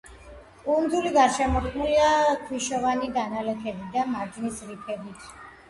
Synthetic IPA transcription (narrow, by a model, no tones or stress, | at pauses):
umd̪uliɡaɾʃɛmɔχʰmuliakʰwiʃɔvanid̪analɛkʰɛbid̪amaɾd͡ʒnisɾipʰɛbit̪ʰ